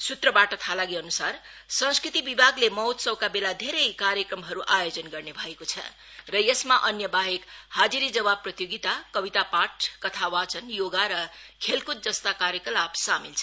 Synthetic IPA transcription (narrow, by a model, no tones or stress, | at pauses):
sut̪rʌbaʈʌt̪ʰalaɡiʌnusar | sʌ̃ŋskrit̪ibibʱaɡlemʌwt̪sʌwkabelad̪ʱeɾʌjkaɾjʌkrʌmɦʌɾuʔajod͡zʌnɡʌrnebʱʌekot͡sʰʌ̰̃ | rʌjesmaʔʌnjʌbaɦekhad͡ziɾid͡zʌbab̚pːrʌt̪joɡit̪akʌbit̪apaʈʰkʌt̪ʰawat͡sʰʌnjoɡaɾʌkʰelkut̪̚d͡zʌst̪akaɾjekʌlapsamilt͡sʰʌ